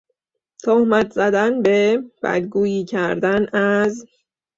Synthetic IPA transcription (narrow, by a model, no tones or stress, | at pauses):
t̪ʰohmæt̪ʰz̥æd̪ænbe̞b̥æ̰d̪ɡuːjiːcʰæɾd̪ænæz